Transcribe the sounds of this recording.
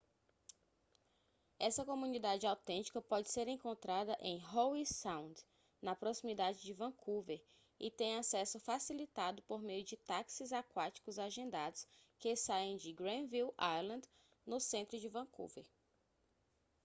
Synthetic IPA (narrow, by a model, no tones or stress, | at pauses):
ɛsɐkomũnid̪ad͡ʒɪawt̪ẽnt͡ʃi̥kɐpɔd͡ʒɪseɾẽkõnt̪ɾad̪ɐʔẽj̃ɦowisãw̃nd̪ | nɐpɾosimid̪ad͡ʒɪd͡ʒɪvɐ̃kʰuveɾ | ɪ̰t̪ẽj̃asɛsʊfasilit̪ad̪ʊpoɾmejʊd͡ʒɪt̪aksɪzakwat͡ʃi̥kʊzaʒẽnd̪ad̪ʊskesaẽj̃d͡ʒɪɡɾẽviwalɐ̃nd̪ | nʊsẽnt̪ɾʊd͡ʒɪvɐ̃kṵvḛɾ